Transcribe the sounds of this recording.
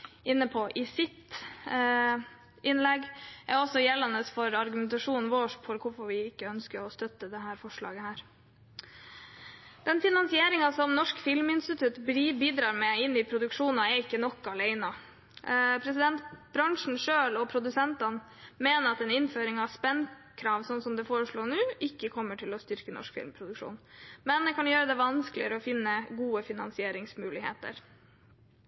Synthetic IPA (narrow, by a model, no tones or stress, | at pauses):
ʔɪnːəpʰɔʔɪsɪt̪ | ʔɪnlɛɡʔɛɾɔsɔjɛlːɑnəsfɔɾɑɾɡʉmɛnt̪ɑʂuːn̩ʋoːʂfɔɾkʰʊɾfɔɾʋɪɪkːəœnskəɾɔst̪œt̪ːəd̪ɛɦæːɾfɔʂɭɑ̰ːɡəhæːɾ | d̪̥ɛnfɪnɑnsɪeːɾɪŋɑsɔmnɔʂkfɪlmɪnst̪ɪt̪ʰʉt̪bbiːd̪ɾɑːɾmɛɪnːɪpʰɾʊd̪ʉkʂuːnɑɛɾɪkːənɔkːɑleɪnɑ | pʰɾɛsɪd̪ɛnt̪bɾɑŋʂɳ̩ʂøːlɔpʰɾʊd̪ʉsɛnt̪ɑn | meːnəɾɑt̪ɛnɪnføːɾɪŋɑʋspɛnkʰɾɑːʋsɔnsɔmd̪ɛfoːɾəʂɭoːɳʉːɪkːəkʰɔmːəʈʰɪlɔst̪ʏɾkənɔ̰ʂkfɪ̰lmpʰɾʊd̪ʉkʂṵːnmɛnd̪ɛkʰɑnjøːɾəd̪ɛʋɑnsklɪ̰əɾəɔfɪnːəɡuːəfɪnɑ̰nsɪeːɾɪŋsmʉːlɪhḛːt̪ə̰ɾ